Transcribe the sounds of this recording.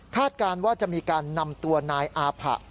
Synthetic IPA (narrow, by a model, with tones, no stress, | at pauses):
kʰaː˥˩t̪̚kaː˧nwaː˥˩t͡ɕa˨˩ʔmiː˧kaː˧nːa˧mt̪u˧ɐnaː˧jʔaː˧pʰa̰˨˩ʔ